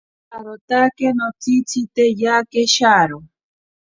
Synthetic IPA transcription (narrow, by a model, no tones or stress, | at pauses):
aɾot̪akenot͡sit͡sʰit̪ejakeʃaɾo